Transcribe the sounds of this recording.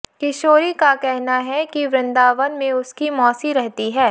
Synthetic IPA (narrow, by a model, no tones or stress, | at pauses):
kɪʃoːɾikakɛɦnaɦɛkiʋɾɪ̃nd̪aːʋənmẽʊskimɔːsiɾɛɦt̪iɦɛː